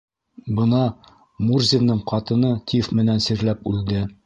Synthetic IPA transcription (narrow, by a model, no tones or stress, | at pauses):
bɤ̆nɑ | murzʲɪnːɤɴqɑt̪ɤ̆nɤt̪ʰʲifmɘ̆nænsiɾlæpʉld̪ɘ